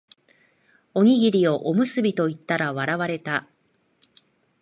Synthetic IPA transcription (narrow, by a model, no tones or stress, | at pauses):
o̞ŋʲiɡʲiɾʲio̞ʔomɯ̟sɨbʲit̪o̞it̪ːaɾaβ̞aɾaβaɾe̞t̪a